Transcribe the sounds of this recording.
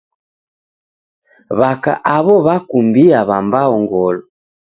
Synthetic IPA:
βaka̰ʔaβɔβakumbiaβambaɔŋɡɔlɔ

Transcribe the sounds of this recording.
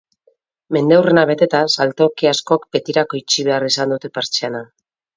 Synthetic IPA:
me̞nd̪ewre̞naβ̞e̞t̪e̞t̪asalt̪o̞kiasko̞ak̚be̞t̪iɾako̞jt͡ʃiβe̞arisand̪ut̪e̞peɾt͡ʃeana

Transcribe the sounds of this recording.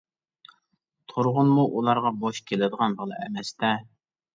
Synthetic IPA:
t̪ʰoɾʁʊnmuʔulˠɑɾʁɑboʃkʲʰelɪd̪əʁɑnbəlˠɨ̰ɛmɛst̪ɛ

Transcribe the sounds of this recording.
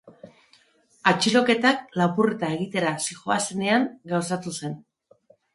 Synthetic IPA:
at͡ʃilo̞ke̞t̪aklapuret̪aeɣit̪e̞ɾasixoasene̞aŋɡawsat̪use̞n

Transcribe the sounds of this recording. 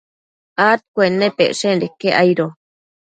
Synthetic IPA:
at̪̚kʷenːepḛʔʂeɾekːeʔajɾo

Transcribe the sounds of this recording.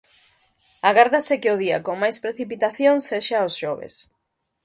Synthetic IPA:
aɣaɾðasɪkɪʊðia̰koŋmajspɾeθipit̪aθjoŋseʃaosʃoβ̞ḛs

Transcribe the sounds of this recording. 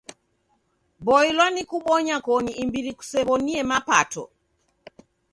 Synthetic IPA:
bɔilwanikuɓɔɲakɔniːmbiɾiku̥sɛβɔniɛmapatɔ̰

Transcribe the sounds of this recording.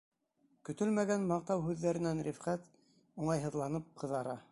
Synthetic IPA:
kɵ̆t̪ɵlmæɡænmɑq̚t̪ɑwɦʉðːæɾɘ̆nænɾifχæt̪ | uɴɑjɦɤ̆ðlˠɑnɤp̚qʰɤ̆ðɑɾɑ

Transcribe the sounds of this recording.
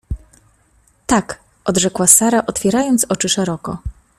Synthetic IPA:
t̪ak | ʔɔd̪ʐɛkwasaɾaʔɔt̪fʲjɛɾajɔnt̪sɔt͡ʂɘʂɛɾɔkɔ̰

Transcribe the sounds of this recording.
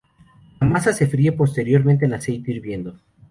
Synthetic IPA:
lamasase̞fɾiepo̞st̪e̞ɾjo̞ɾmẽnt̪eːnlase̞jt̪eiɾβje̞nd̪o̞

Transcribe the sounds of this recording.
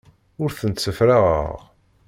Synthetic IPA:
ʊɾθənt̪sːəfɾaʁə̰ʁ

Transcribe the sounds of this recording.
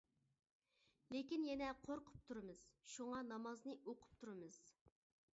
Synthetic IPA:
lekʲinjɛnɛqʰoɾqʰʊ̥p̚t̪ʰuɾɨmɨz̥ʃuŋɑnɑmɑznɨʔoqʰʊ̥p̚t̪ʰuɾɨmɨz̥

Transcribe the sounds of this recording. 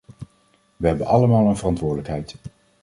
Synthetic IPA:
ʋəɦɛbənʔɑləmaːlˠənvərɑntʋʊːɹdələkɦɛjt

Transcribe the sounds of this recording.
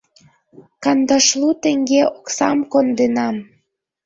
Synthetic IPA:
kɑnd̪ɑʃlut̪eŋɡeoksɑmkond̪enɑm

